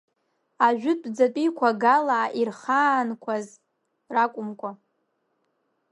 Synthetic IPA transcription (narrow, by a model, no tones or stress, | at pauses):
aʒᶣʊtʼd͡zat͡pʼikʷʰaɡalaːʔirχaːnkʷʰaz | rakʷʼʊmkʷʰʼa